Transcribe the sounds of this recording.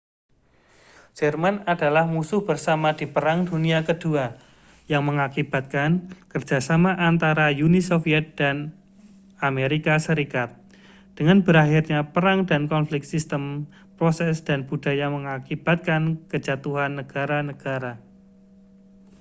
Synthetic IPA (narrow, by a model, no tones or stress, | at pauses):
d͡ʒ̥ɛrmanadalahmusʊhb̥ərsamad̥ipəɾaŋduniakəd̥ua | jaŋməŋakib̥a̤t̪̚kankərd͡ʒ̥a̤samaʔant̪aɾajunisofiɛt̪̚d̥an | ameɾikasəɾikat̪̚ | d̥əŋanbəɾahirɲapəɾaŋdankɔnflɪkt̪̚sist̪əm | pɾosɛsd̥anb̥ud̥ajaŋməŋakib̥a̤t̪̚kankəd͡ʒat̪uɦanːəɡ̥aɾanəɡ̥aɾa